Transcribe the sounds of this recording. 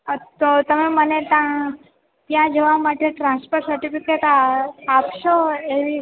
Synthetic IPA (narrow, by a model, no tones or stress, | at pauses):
t̪ot̪əmemənet̪ã | t̪jãd͡ʒəʋamaʈeʈɾãnspoɾʈsəɾʈipikeʈaːpʃoeʋi